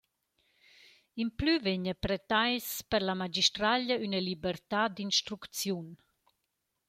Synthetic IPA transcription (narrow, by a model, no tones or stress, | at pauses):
implyveɲəpɾɛt̪ajspəɾlamad͡ʒiʃt̪ɾaʎəynəlibəɾt̪ad̪inʃt̪ɾukt͡sjun